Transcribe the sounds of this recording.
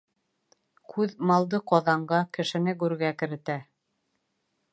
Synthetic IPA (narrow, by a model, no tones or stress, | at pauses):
kʰʉðmɑlˠd̪ɤqɑðɑɴɢɑkɘ̆ʃɘ̆nɘɡʉɾɡækɘ̆ɾɘ̆t̪æ